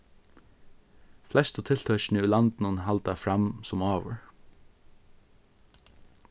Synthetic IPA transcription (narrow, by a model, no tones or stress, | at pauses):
flɛst̪ɔt̪ʰɪlt̪ʰœʃɳ̩əʉːlɑnd̪n̩unhɑld̪ɑfɾɑmsɔmɑːʋə̰ɹ